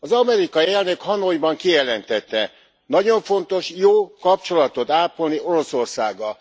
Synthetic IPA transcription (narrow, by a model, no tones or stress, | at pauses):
ɒzɒmɛɾikɒjiɛlnøkhɒnojbɒŋkijɛlɛnt̪ɛt̪ːɛ | nɒɟo̞ɱfo̞nt̪o̞ʃjoːkɒpt͡ʃo̞lɒt̪o̞t̪aːpolnio̞ɾo̞so̞rsaːɡɒ